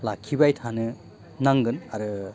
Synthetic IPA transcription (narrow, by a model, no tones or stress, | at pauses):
lakʰːibajtʰanɯ | naŋɡɯnaɾɯ